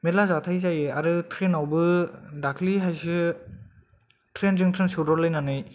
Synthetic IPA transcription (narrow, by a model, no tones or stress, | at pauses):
melazatʰajzajeaɾɯtʰɾenawbɯdakʰliɦajsɯ | tʰɾenzɯŋtʰɾensɯɾɔɾlɯjnanɯj